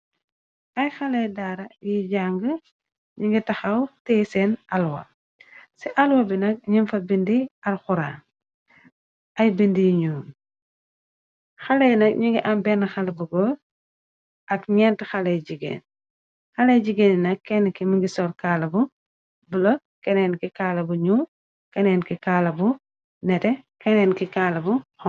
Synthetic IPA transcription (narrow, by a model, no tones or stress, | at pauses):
ʔɐjxɐlɛjdaːɾɐjiɟaːŋɡə | ɲiŋɡitɐxɐwtɛsɛnɐlwɐ̰ | sɛʔɐlwɐbinɐk̚ɲinfɐbindiɐɾxuɾa̰ː | ʔɐjbindijiɲuːm | xɐlɛjnɐk̚ɲuŋɡiʔambɛnɐxalɐbuɡɔ | ʔɐkɲɛntxalɛjɟiɡḛːn | xɐlɛjɟiɡennɐkːɛnkimiɡisɔɾkaːlɐbu | bulo | kɛnɛnkikalɐbuɲu | kɛnɛːnkikalɐbu | nɛtɛ | kɛnɛnkikalɐbuxɔ